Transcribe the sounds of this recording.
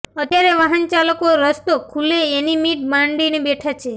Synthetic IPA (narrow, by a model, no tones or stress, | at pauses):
ət̪jaɾeʋaɦənt͡ʃaləkoɾəst̪okʰuleːnimiʈ̚bãɳɖinebeʈʰat͡ʃʰe